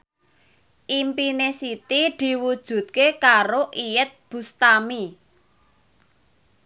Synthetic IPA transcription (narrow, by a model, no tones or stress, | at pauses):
ʔimpinesit̪id̪̥i̤wud̥ʒ̥ṳd̪̚kekaɾoʔijət̪̚b̥ṳst̪ami